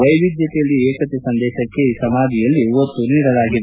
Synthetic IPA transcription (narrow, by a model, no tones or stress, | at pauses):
ʋɐjʋid̪jɐt̪ɛjɐlːieːkɐt̪esɐnd̪ɛːʃɐkːe̞iːsɐmaːd̪ʱijɐlːiiʋɐt̪ːuniːɽɐlaːɡid̪e